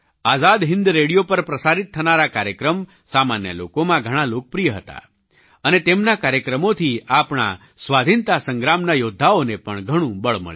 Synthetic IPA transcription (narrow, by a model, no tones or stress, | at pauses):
azad̪ɦɪ̃nd̪ɾeɽijopəɾpɾəsaɾit̪ʰːənaɾakaɾjəkɾəm | samanjə̰lo̰komãɡʱəɽ̃alok̚pɾijəɦət̪a̰ | ənet̪emnakaɾjəkɾəmot̪ʰiapɳ̃a̰ | sʋad̪ʱint̪asə̃ŋɡɾamnajod̪ʱːaonepəɳɡʱəɽ̃ũbəɭmə̰ɭ